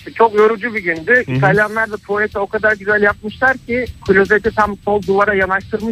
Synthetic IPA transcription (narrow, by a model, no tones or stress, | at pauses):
t͡ʃʰo̞kjøɾud͡ʒybiɟynd̪yit̪ʰalʲjanlˠaɾd̪ˠat̪ʰoet̪ʰɛo̞kʰad̪aɾɟyzælʲjap̚mɯʃlˠaɾcʰɪkʰulʲozet̪ʰit̪ʰamsolˠd̪uvaɾajanaʃt̪ʰɯɾmɯ